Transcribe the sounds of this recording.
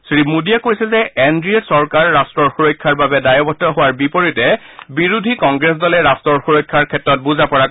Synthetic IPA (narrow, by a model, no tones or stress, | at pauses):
sɹimudijakojsɛzɛendɹiɔtsɔɹkaɹːastɹɔɹxuɹɔjkʰːaɹbabɛdajɔbɔtːɔɦʊwaɹbipoɹitɛ | biɹudʱikɔŋɡɹes̬dɔlɛɹastɹɔɹxuɹɔjkʰːaɹkʰɛtɹɔt̚buzapɔɹa